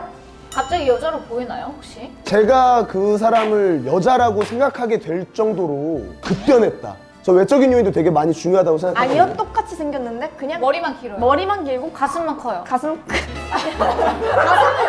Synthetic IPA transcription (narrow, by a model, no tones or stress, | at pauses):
kap̚t͡ɕ͈aɡijʌd͡ʑaɾopoinajohok̚ɕ͈i | t͡ɕe̞ɡakɯs̬ʰaɾamɯɭjʌd͡ʑaɾaɡosʰe̞ŋɡakʰaɡe̞dwe̞ɭt͡ɕ͈ʌŋdoɾokɯp̚tp͈jʌnɦe̞t̚t͈a̰ | t͡ɕʌwe̞t͡ɕ͈ʌɡinjoindotweɡe̞maɲit͡ɕuŋjoɦadaɡosʰeŋɡakaaɲiʌt͈ok̚k͈at͡ɕʰisʰe̞ŋɡjʌnːɯnde̞kɯɲaŋʌɾimankiɾmʌɾimank̬iɭɡokasʰɯnmankʰʌjokasʰɯmk